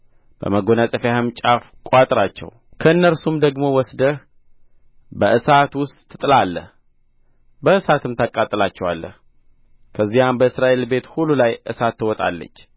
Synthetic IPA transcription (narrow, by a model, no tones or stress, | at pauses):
b̥ə̰məɡonasʼəfjahəmt͡ʃʼafkʼat̪ʼɾat͡ʃːɛ̰w | kʰəɨnːəɾsumd̪əɡmo̞wɔsd̪əh | bəʔɨsat̪wʊst̪ʼʰːɨt̪ʼɨlalːəh | bəɨsat̪ʰɨmt̪ʰakʼat̪ʼːɨlat͡ʃːɛwalːə̰h | kʰəzːijambəɨsɾaʔe̞lbe̞t̪hulːulajʔɨsat̪ːɨwɔt̪ʼa̰lːə̰t͡ʃː